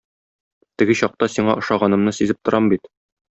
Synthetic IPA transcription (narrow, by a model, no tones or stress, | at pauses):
t̪ɘ̆ɡɘɕɒq̚t̪ɑsiɴɑʔɤ̆ʃɑʁɑnɤ̆mnɤsizɘp̚t̪ŏɾɑmbit̪